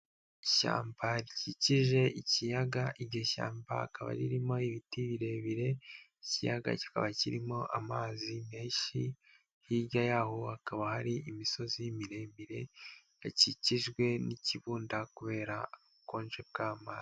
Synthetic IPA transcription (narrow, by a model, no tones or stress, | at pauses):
ʃa̰ːmbaɾiciciʒe̞ʔicijaɡaʔiɾɟoʃa̰ːmba̰kaβa̰ɾiɾimo̞iβitiβiɾe̞βiɾe̞icijaɡa̰ci̥ka̰βaciɾimo̞ʔa̰maːzime̞ːʃi | hiɟajaːhohakaβahaɾiʔimiso̞zijimiɾe̞ːmbiɾe̞ | aciciʒɡwe̞niciβuːndakuβe̞ːɾa | koːnʒe̞b̚ɡaːmaːzi